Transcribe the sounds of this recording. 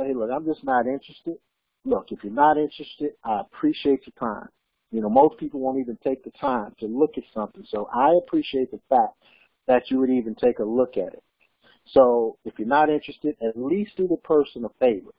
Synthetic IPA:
heɪlʊkãɪ̃md͡ʒʌsnəɾɪ̃nt͡ʃɹ̥ɨstɪd̥̚ | lʊkɨfjə˞nəɾɪ̃nt͡ʃɹ̥ɨstɪɾʔaɪəpʰɹ̥iʃieɪt͡ʃ̚ðɨtʰãɪ̃m | jɨnoʊmoʊspʰipl̩ˠwõʊ̃ntivɨ̃n̩tʰeɪk̚ðɨtʰãɪ̃mtʰɨlʊkɨtsʌ̃mθɪ̃ŋsoʊʔaɪɨpʰɹ̥iʃieɪt̪̚ðəfæk̚ | ðɨt͡ʃɨwɨɾivɨ̃n̩tʰeɪkəlʊkɨ̰ɾɪ̰t̚ | soʊɨfjə˞nəɾɪ̃nt͡ʃɹ̥ɨstɨɾɨtˡlistɨðəpʰɜ˞sə̃nʌv̥feɪvə˞ət̚

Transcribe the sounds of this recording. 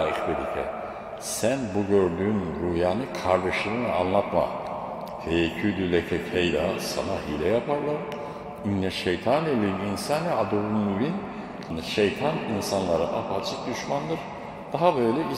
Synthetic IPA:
ixbed̪icʰɛ̰ | sænbuɟøɾd̪yːnɾujaːnɯkʰaɾd̪eʃɯnɯna̰nlˠat̪ma̰ | hejecʰyd̪ylʲɛcʰɛcejd̪asa̰naɦilʲɛjapʰaɾlˠaɾ | inlʲɛʃejt̪ʰanelʲiminsaːnɛad̪uɾunːubin | niʃejt̪ʰaninsanlˠaɾɯ̰ʔapat͡ʃʰɯk̚d̪uʃmand̪ɯɾ̥ | d̪̥aɦabø̞jlʲɛi

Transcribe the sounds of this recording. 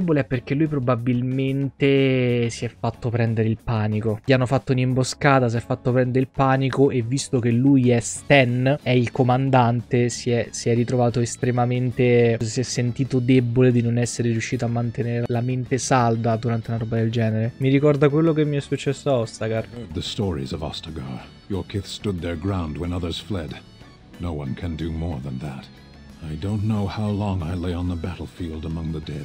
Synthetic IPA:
ɛbːoleɛpːerk̟elːujpɾobabilment̪esiɛfːat̪ːopɾɛnd̪eɾeilpaːnikoʎianːofat̪ːounimboskaːt̪as̬iɛfːat̪ːopɾɛnd̪eɾeilpaːnikoʔevːist̪ok̟elːujɛst̪ɛnɛilkomand̪ant̪esiɛsiɛrːit̪ɾovaːt̪oest̪ɾemament̪esiɛsːent̪iːt̪od̪eboled̪inonɛsːeɾeɾjuʃːiːt̪amːant̪eneːɾelament̪esald̪ad̪uɾant̪elaɾɔːbad̪eld͡ʒɛːneɾemiɾikɔrd̪ak̬welːokemːiɛsːut͡ʃːɛsːoɔst̪aɡarðɨstɔɹḭzʌvɑ̰stəɡɑ̰ɹ | jə˞kʰɪθstʊd̪̚ðə˞ɡɹãʊ̃nd̚wə̃nʌðə˞z̥flɛdⁿ | noʊwʌ̰̃nkʰɨ̃ndɨmɔɹðə̃nðæ̰t | aɪdõʊ̃nːoʊhaʊlɔ̃ŋaɪleɪə̃nðəbæɾl̩ˠfilˠdəmʌ̃ŋðədɛd

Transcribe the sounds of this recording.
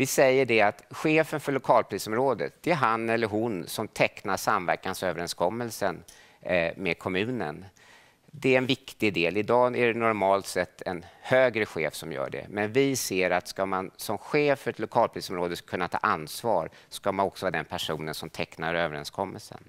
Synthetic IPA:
vɪsɛjːəɖɛat̪ɧeːfənfœɭʊkʰɑːlpʰɾiːsɔmɾoːd̪ə̰t̪̚d̪̥ɛæɦanɛlːəɾɦʊnsɔmt̪ʰɛknaʂamvæ̰ɾkansøːvəɾɛnskʰɔmːəlsən | mɛd̪̚kʰɔmʉ̟ːnə̰n | d̪ɛæɾɛnvɪkt̪ɪd̪eːlɪd̪ɑːæɖɛnɔɾmɑːlt̪sɛt̪ʰːɛnhøːɡɾəɧeːfsɔmjœ̰ːɖɛ̰mɛnvɪseːɾat̪skamansɔmɧeːfœɾɛt̪lʊkʰɑːlpʰɾiːsɔmɾoːd̪əkʰɵnːat̪ʰɑ̰ːʔansvɑːɾskamanɔksɔvɑːd̪ɛnpʰæʂuːnənsɔmt̪ʰɛknaɾøːvəɾɛ̰nskʰɔmːəlsə̰n

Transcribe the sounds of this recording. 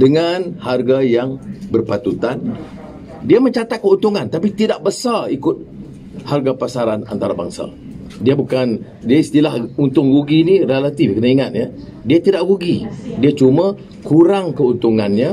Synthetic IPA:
dəŋanharɡajaŋbərpat̪ut̪an | diaməɲt͡ʃat̪at̪̚kəunt̪uŋant̪apit̪idaʔbəsarikʊt̪̚ | harɡapasaɾana̰nt̪aɾaba̰ŋsa̰ | diabukan | diaist̪ilahunt̪ʊŋɾuɡinirelat̪ifkənaiŋat̪̚ɲa | diat̪idaʔɾuɡidiat͡ʃumã | kuɾaŋkəunt̪uŋanɲã

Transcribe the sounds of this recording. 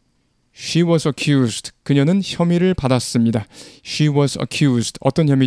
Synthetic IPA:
ɕiwʌsʰʌkʰjusdkɯɲʌnɯnçjʌmiɾɯɭpadas͈ɯmɲidaɕʰiwʌsʰʌ̰kʰjusdʌ̰t͈ʌnçjʌmi

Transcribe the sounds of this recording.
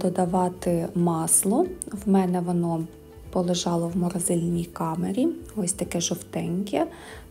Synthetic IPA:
d̪ɔd̪ɐʋɑt̪ɪmɑslˠɔwmɛnɛʋɔnɔ | pɔlˠɪʒɑlˠɔwmɔɾɐzɪlʲnʲijkɑmeɾʲiɔsʲt̪ɐkɛʒɔwt̪ɛnʲkʲɛ

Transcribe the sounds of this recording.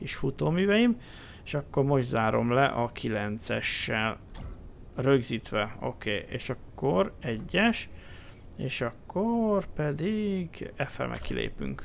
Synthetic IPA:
kiʃfut̪oːmyːvɛjim | eʃɒkːormo̞ʒd̪zaːɾo̞̰mlɛʔɒkʰilɛnt̪sɛʃːɛl | røɡziːt̪ʋɛo̞̰keːʔḛːʃɒkːo̞ɾɛɟːɛʃ | eːʃɒkːorpɛd̪iɡɛfɛ̰lmɛ̰kʰːilḛːpy̰ŋk

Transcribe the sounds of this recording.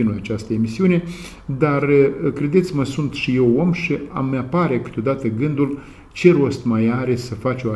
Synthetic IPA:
inuat͡ʃast̪əemisiune̞ | d̪arəkɾe̞d̪et̪sʲməsunt̪ʃije̞womʃia̰mːeapaɾe̞kɨ̥t̪ʲo̞d̪at̪əɡɨnd̪ul | t͡ʃe̞ɾo̞st̪majaɾe̞səfat͡ʃoa

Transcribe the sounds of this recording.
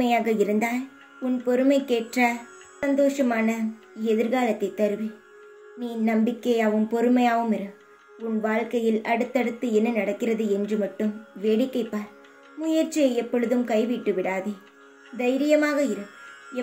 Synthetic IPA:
ɐjaːɣɐɪɾɯnd̪aːl | ʊnpɔɾɯmɐɪkeːʈrɐ | sɐnd̪oːʂɐmaːnɐ | ɛðɪɾɣaːlɐt̪ːɐɪt̪ːɐɾɯʋi | niːnɐmbɪkːeːɐʋɯmpɔɾɯmɐjaːʋɯmɪɾɯ | ʊnʋaːɭkɐjɪlɐɽɯt̪ːɐɽɯt̪ːɯɛnːɐnɐɽɐkːɪrɐðɯɛndrɯmɐʈːɯmʋeːɽɪkːɐɪpːaːɾ | mʊjɐɾt͡ʃːɪjɐɛpːɔɻɯðɯmkɐɪʋiʈːɯʋɪɽaːðe | d̪ɐɪɾɪjɐmaːɣɐɪɾɯ

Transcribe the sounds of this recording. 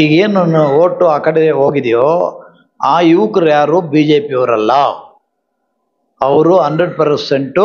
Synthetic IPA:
iːɡeːnɐnːuoːʈːuaːkɐɽeɦoːɡid̪ijoː | aːjiʋkɐɾjaːɾubiːd͡ʒeːpiɐʋɐɾɐlːɐ | ɐʋɐɾuɦɐndɾeɖpɐɾseɳʈu

